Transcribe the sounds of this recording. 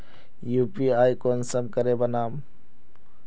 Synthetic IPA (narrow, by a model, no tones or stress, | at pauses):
jupiajkonsəmkəɾebənaːm